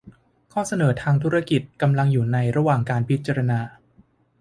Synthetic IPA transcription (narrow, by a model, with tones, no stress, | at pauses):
kʰɔː˥˩sa˧nɤː˩˦t̪ʰaː˧ŋt̪ʰu˦˥ɾa˥˧ki˨˩t̪̚ka˧mla˧ŋjuː˨˩na˧jɾa˧waː˨˩ŋkaː˧npʰi˦˥t̪̚t͡ɕa˧ɾa˧naː˧